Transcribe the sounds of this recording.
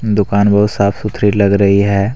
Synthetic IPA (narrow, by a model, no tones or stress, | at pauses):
d̪ʊkaːnbɐɦʊt̪saːpʰsʊt̪ʰɾilɐɡɾɐɦiɦɛː